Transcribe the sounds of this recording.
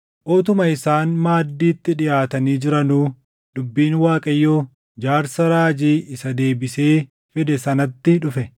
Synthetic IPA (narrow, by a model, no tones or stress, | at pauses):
ʔoːt̪̬ʊmɐɪsaːnmaːd̪ːiːt̪ːɪᶑɪjaːt̪ɐniːd͡ʒɪɾɐnuː | d̪ʊbːiːnwaːkʼɐjːoː | d͡ʒaːɾsɐɾaːd͡ʒiːɪsɐd̪e̞ːbɪse̞ː | fɛd̪ɛsɐnɐt̪ːɪᶑʊfɛ